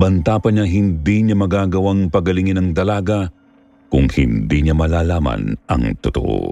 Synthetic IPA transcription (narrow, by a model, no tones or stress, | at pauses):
bɐnt̪aːpɐɲaɦɪnd̪iɲamɐɡaːɡɐwaŋpɐɡɐlɪŋinɐŋt̪ɐlaːɡɐ | kʊŋhɪ̰nd̪iɲamɐlaːlaːmɐ̰nɐ̰ŋt̪ʊt̪o̰ʔo̰